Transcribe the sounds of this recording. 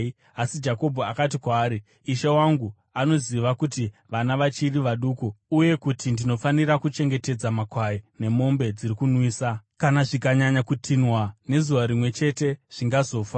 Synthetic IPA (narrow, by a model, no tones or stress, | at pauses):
asid͡ʒako̞bʱoakat̬ikwaːɾi | iʃawaŋɡu | ano̞ziʋakutiʋanaʋat͡ʃiriʋaɗukuuje̞kutʰindino̞faniɾakut͡ʃe̞ŋɡe̞te̞d͡zamakwajine̞mo̞mbe̞d͡ziɾikunwiːsakanaʐikaɲaɲakutʰinwane̞zuʋaɾimwe̞t͡ʃe̞te̞ʐ̥iŋɡazo̞ːfa